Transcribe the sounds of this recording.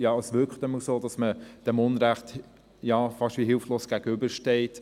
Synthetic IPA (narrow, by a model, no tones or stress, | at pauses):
jɑːəsʋʏkχtəməlsoːd̥ɑsməd̥ɛmʊnɾæχt | jɑfɑʃtʋiɦɪlfloːsɡ̥æɡ̥əʏbəɾʃtɛɪt